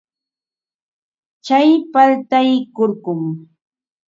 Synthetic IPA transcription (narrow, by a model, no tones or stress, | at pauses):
t͡ʃajpaɾt̪ajkoɾɢʊm